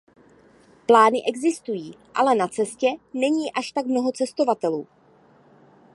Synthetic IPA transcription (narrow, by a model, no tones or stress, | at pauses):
plaːnɪʔɛɡzɪst̪ujiːʔa̰lɛnat͡sɛscɛnɛɲiːʔaʃt̪aɡmno̞ɦo̞t͡sɛst̪o̞vat̪ɛluː